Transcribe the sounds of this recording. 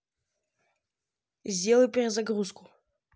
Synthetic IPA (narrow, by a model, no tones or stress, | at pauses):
zʲdʲelˠəjpʲeɾʲɪzaɡruskʊ̥